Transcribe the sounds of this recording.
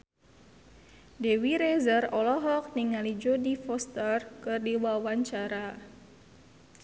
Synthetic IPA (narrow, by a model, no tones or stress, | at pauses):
dewiɾezərɔlɔɦɔk̚niŋalid͡ʒodifɔst̪ərkɨrdiwawaɲt͡ʃaɾa